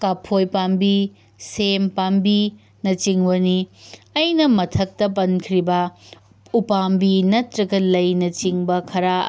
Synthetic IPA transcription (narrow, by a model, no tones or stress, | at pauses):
kapʰojpambi | sempambi | nɐt͡ʃiŋbɐniɐjnɐmɐtʰɐk̚tɐp̬ɐnkʰɾibɐ | upambinɐtɾɐɡɐlɐjnɐt͡ʃiŋbɐkʰɐɾa